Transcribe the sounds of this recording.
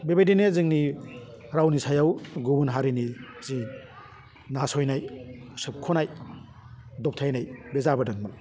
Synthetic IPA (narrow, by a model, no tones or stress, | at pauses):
bebajdinezɯŋni | ɾawnisʰajawɡubunɦaɾinizi | nasɔjnajsɯp̚kʰonaj | dɔp̚tʰajnajbezabɐdɐŋmal